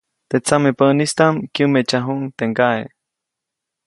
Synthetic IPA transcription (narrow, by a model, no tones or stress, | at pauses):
t̪et͡samepəʔnist̪amkjumet͡ʃaɦuŋt̪eŋkae